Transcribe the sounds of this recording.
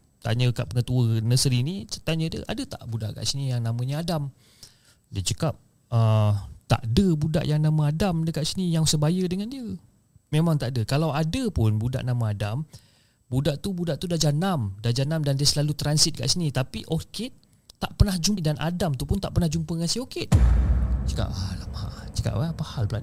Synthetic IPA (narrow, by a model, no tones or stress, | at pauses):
t̪a̰ɲəkaʔpəŋət̪uənəsɾiniət̪aɲədiə̰ʔa̰dət̪a̰ʔbuda̰ʔka̰ʔsinijaŋnamə̃ɲəadam | diət͡ʃəkap̚ | ət̪a̰ʔdəbuda̰ʔjaŋnamãadamdəkaʔsinijaŋsəbajədəŋandiə | memaŋt̪aʔdəkalawadəpʊnbuda̰ʔnamãadam | budaʔt̪ubudaʔt̪udahd͡ʒanamdahd͡ʒanamdandiəsəlalut̪ɾansit̪̚ka̰ʔsinit̪apiʔoke | t̪aʔpənahd͡ʒudanʔa̰damt̪upʊnt̪aʔpərnahd͡ʒumpəŋansioke | t͡ʃə̥ka̰ʔalama̰t͡ʃə̥ka̰ʔapahalbəlaʔ